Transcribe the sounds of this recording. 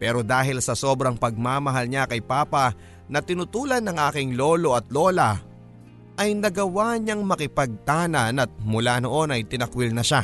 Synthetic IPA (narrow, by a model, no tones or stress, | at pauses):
pɛːɾo̞d̪aːɦɪlsɐso̞bɾɐŋpɐɡ̚maːmɐɦalɲakɐjpaːpɐ | nɐt̪ɪnʊt̪uːlɐnːɐŋʔaːkɪŋlo̞ːlo̞ʔɐt̪lo̞ːlɐ | ʔɐjnɐɡɐwaɲɐŋmɐkɪpɐɡ̚t̪aːnɐnɐt̪̚mʊlaːno̞ʔo̞nɐjt̪ɪnɐkwɪlnɐʃa